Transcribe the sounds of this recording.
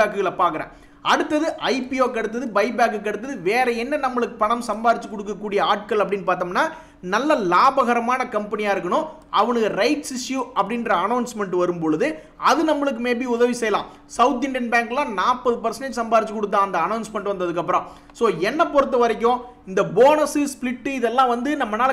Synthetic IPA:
aːkɯɣɐɭɐpaːɾkɯɾḛ̃ː | ɐɽɯt̪ːɐðɯʔɐɪpijoːkːɐɽɯt̪ːɐðɯbɐɪbaːk̬ɯkːɐɽɯt̪ːɐðɯʋeːɾɐjɛnːɐnɐmːɐɭɯkːɯpɐɳɐmsɐmbaːðɪt͡ʃːɯkːɔɽɯk̬ːɐkːuːɽɪjɐaːʈ̚kɐlɐpːɐɽɪnːpaːɾt̪ɐːmnːaː | nɐlːɐlaːbɐɣɐɾɐmaːnɐkɐmpɐnɪjaːɪɾɯkːɐɳʊ̃ | ʔɐʋɐnɯkːɯɾɐɪʈsɪsjuɐpːɐɽɪnrɐɐnɐʊnsmɛɳʈʋɐɾɯmpɔɭɯðɯ | ɐðɯnɐmːɐɭɯk̬ːɯmeːpiʊðɐʋisɛjɐlãː | sɐʊt̪̬ɪɳɖɪjɐnbaːŋklãːnaːʈpːɐðɯpɐɾsɐnɐsɐmbaːðɪt͡ʃːɯkːɔɽɯt̪̬ːãːɐnd̪ɐːnɐʊnsmɐɳːɯ̃ɐnd̪ɐðɯkːɐpːɯɾɐ̃ː | soːɛnːɐpɔɾɯt̪̬ːɐʋɐɾɪkʲːõ | ɪnd̪ɐboːnɐsɯsplɪʈːɯɪðɛlːãːʋɐnd̪ɯnɐmːɐnaːl

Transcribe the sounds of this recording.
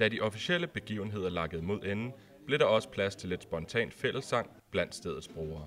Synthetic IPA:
d̥ædiʔɒ̽fisiel̰əb̥e̝ɡ̥ḭʊn̩e̝ð̞̰ˠɐlɑ̈ɡ̥əð̩ˠmo̝ð̞̰ˠen̩ | b̥le̝ɾ̥ɑ̈ɒ̽sə̥pʰlæst͡sʰe̝le̝d̥sb̥ɒ̽nt͡sʰɛ̰ːnd̥fel̰l̩sɑ̈ŋ̰ | b̥læn̰d̥sd̥ḛːð̞ˠð̩ˠsb̥ʁo̝ːɐː

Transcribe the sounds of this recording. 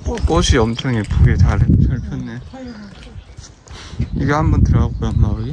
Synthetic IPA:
oɕʰiʌmt͡ɕʰʌŋepuɡetaɾet͡ɕʰʌɭpʰjʌnːe | iɡehanbʌntɯɾabojomauɾɯɡe

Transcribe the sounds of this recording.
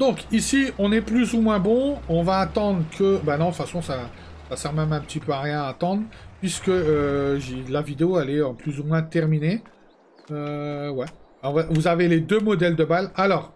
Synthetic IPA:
d̪ɔ̃kisiɔ̃nɛplyzumwɛ̃bɔ̃ɔ̃vaːt̪ɑ̃d̪ʁkʰəbanɔ̃fasɔ̃sa | sasɛʁmɛmɛ̃pət̪ipøaʁjɛ̃aːt̪ɑ̃d̪ʁpɥiskəøʒlavid̪eoɛlɛøplyzumwɛ̃t̪ɛʁmine | øwɛ | ɔ̃vavuzaveled̪ømɔd̪ɛld̪əbalalɔːʁ

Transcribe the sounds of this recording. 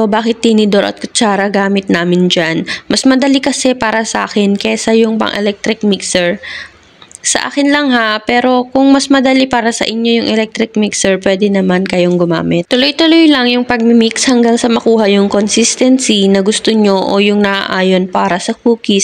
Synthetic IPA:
obaːkɪt̪ːɪnɪd̪o̞ɾɐ̰t̪̚kʊt͡ʃaːɾɐɡaːmɪt̪̚naːmɪnd͡ʒanmɐsmɐd̪ɐlikɐsɛpaːɾɐsɐʔa̰ːkɛnkɛsɐjʊŋpɐ̰ŋʔɛ̰lɛk̚t̪ɾɪk̚miksɛɹ | sɐ̰ʔa̰ːkɪnlɐŋhapɛːɾo̞kʊŋmɐsmɐd̪ɐlipaːɾɐsɐ̰ʔɪɲːo̞jʊŋʔɛlɛk̚t̪ɾɪk̚miksɛɹpwɛːd̪ɛnɐmankɐjo̞ŋɡʊma̰ːmɪt̪̚t̪ʊlojt̪ʊlojlɐŋjʊŋpɐɡ̚mɪmikshɐŋɡaŋsɐmɐkuːɦɐjʊŋkonsist̪ɛnsinɐɡʊst̪oɲo̞ʔojʊŋnɐʔa̰ʔaːjo̞npaːɾɐsɐkuːkis

